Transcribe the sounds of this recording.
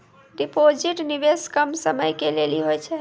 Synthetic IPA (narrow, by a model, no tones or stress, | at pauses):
ɖipod͡ʒiʈnibeskəmsəməjkeleliɦojt͡ʃʰɛ